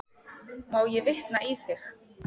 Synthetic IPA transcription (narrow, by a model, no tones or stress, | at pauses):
mawjɛvɪht̪naʔiθɪx